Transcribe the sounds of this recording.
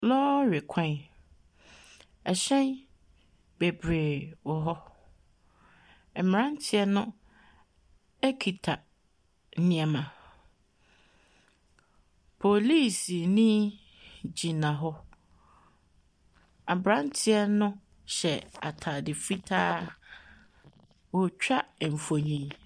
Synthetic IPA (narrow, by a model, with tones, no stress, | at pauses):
lɔ˦ɥe˨kʷʰã˦n | ɛ˨ɕɛ̃˦n | b̥e˨bɾe˨wɔ˨ɦɔ˦ | ɛ˨m˨ɾã˦n˦tʰɪ˦ɛ˦nʊ̃˦ | ɛ˦kʰi˨tʰa˨ | n̩˦nĩ˨ɛ˨mã˨ | pʰo˨li˦˨si˨nĩ˦ | d͡ʑi˨nã˨ɦɔ˦ | a˨bɾã˦n˦tʰɪ˦ɛ˦nʊ̃˦ | ɕɛ˨a˨tʰaː˨dɪ˨fi˦tʰaː˦ | wɔ˨t͡ɕᶣa˦˨m̩˨fo˨ɲĩ˨